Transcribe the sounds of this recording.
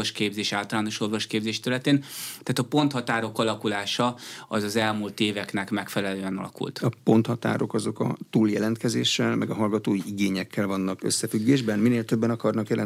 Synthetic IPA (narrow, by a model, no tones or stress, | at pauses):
oʃkeːbzeːʃaːlt̪ɒlaːno̞ʃo̞rvo̞ʃkeːbzeːʃt̪ɛɾylɛt̪eːnt̪aːt̪ɒpo̞nt̪hɒt̪aːɾo̞kɒlɒkulaːʃɒɒzɒzɛlmult̪eːvɛknɛkmɛkfɛlɛløːɛnɒ̰lɒ̰kṵlt̪ɒpo̞nt̪hɒt̪a̰ːɾo̞kɒzo̞kɒ̰t̪uːljɛlɛnt̪kɛzeːʃːɛlmɛɡɒɦɒlɡɒt̪oːjiʔiɡeːɲɛkʰːɛlvɒnːɒkøsːɛfyɡːeːʒbɛnmineːlt̪øbːɛnɒkɒrnɒkjɛlɛ